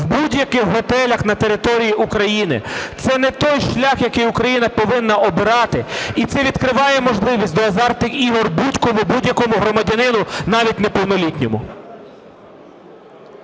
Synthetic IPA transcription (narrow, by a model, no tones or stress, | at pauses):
wbudʲjɐkɪxɦɔt̪ɛlʲɐxnɐt̪eɾɪt̪ɔɾʲijiukɾɐjinɪ̰t̪sɛnɛt̪ɔjʃlʲɑxjɐkɪjʊkɾɐjinɐpɔʋɪnːɐʔɔbɪɾɑt̪ɪit̪sɛʋʲid̪kɾɪʋɑjɛmɔʒlˠɪʋʲisʲtʲd̪ɔɐzɑrt̪ɪkiɦɔrbudʲkɔmʊbudʲjɐkɔmʊɦɾɔmɐdʲɐnɪnʊnɑʋʲitʲnepɔwnɔlʲitʲnʲɔmʊ̰